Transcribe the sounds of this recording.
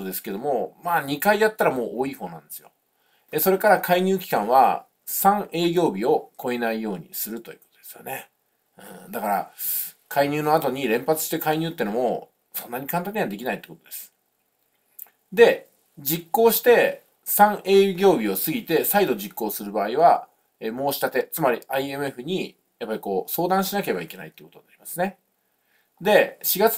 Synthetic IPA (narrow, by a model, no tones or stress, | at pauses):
od̪e̞sɨ̥ke̞d̪o̞mo̞maːɲ̟ikaidat̪ːaɾamo̞ːʔoːiːho̞ːnã̰nd̪e̞sɨjo̞̰ | eso̞ɾe̞kaɾakʰaiɲ̟ʲɨːkʲi̥kãɰ̃βa̰ | sãŋe̞ːɡʲo̞ːbʲio̞kʰo̞enaijo̞ːɲ̟ḭsɨɾɯ̟t̪o̞jɯ̟̥ːko̞t̪od̪̥e̞sɨjo̰ne̞ | ɯ̟̃ɴd̪akaɾa̰ | kaiɲ̟ʲɨːno̞at̪o̞ɲ̟iɾẽ̞mpat͡sɨ̥ɕi̥t̪e̞kaiɲ̟ɨ̟ːt̪ːeɯnomo̞ | sõ̞nːaɲ̟ikãnt̪̬ãɲːead̪e̞kʲinait̪ːe̥kot̪o̰d̪̥e̞sɨ̥ | d̪e̞ | d͡ʑikːo̞ːɕi̥t̪e̞ | sãɰe̞ːjɯɡʲo̞ːbʲio̞sɨɡʲit̪e̞said̪o̞d͡ʑikːo̞ːsɨɾɯ̟baːiβa | emo̞ːɕi̥t̪at̪e̞t͡sɨmaɾʲiaie̞mɯ̟e̞ɸɯ̟ɲ̟i | japːaɾʲiko̞ːso̞ːd̪ãɰ̃ɕinakeebaike̞na̰it̪ːeiɯ̟kot̪onaɾʲimasɨne̞ | d̪e̞ɕiɡat͡s